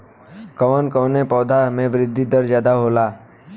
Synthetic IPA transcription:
kəʋənkəʋnepɔːd̪ʱamẽʋɾɪd̪ʱːid̪əɾd͡ʒjaːd̪aɦoːlaː

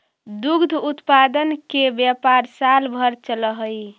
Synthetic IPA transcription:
d̪uɡd̪ʱut̪pad̪ənkebjəpaɾsalbʱəɾt͡ʃələɦəj

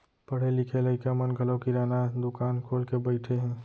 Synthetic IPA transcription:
pəɽ̤elɪkʰeləɪkamənɡʱəlɔkiɾaːnad̪ʊkaːnkʰoːlkebəɪʈʰeɦɛ̃ː

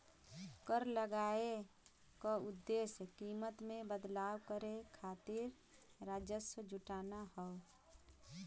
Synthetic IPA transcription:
kəɾləɡaːe | koʊd̪ːeːsjəkimət̪mẽbəd̪laːwkəɾekʰaːt̪ɪɾ | ɾaːd͡ʒəsəd͡ʒʊʈaːnahəo

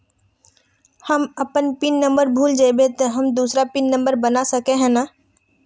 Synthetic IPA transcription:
həməpənpɪnːə̃mbəɾbʱuːld͡ʒaɪbet̪ɔɦɐmd̪uːsɾapɪnːə̃mbəɾbənasɐkeɦɛ̃naː

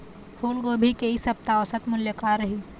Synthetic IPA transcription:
fʰoːnkobʱikɐisɐb̚t̪aɔːsɐt̪ʰmʊljəkaːɾːɐɦiː

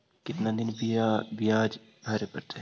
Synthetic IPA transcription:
kɪt̪nad̪ɪnbijabijaːd͡ʒ | bʱaːɾepɐɾt̪e

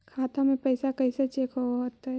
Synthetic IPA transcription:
kʰaːt̪amẽpɐɪsakɐɪset͡ʃeːkɦoɦot̪ɛ

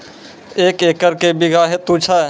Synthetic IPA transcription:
eːkekəɾkebiɡʱaɦet̪ut͡ʃʰa

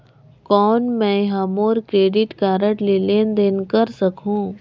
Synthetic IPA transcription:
kɔːnmɛ̃ɦamoːɾkɾeːɖɪʈkaːɾəʈleːleːnd̪eːnkɐɾsɐkʰũː

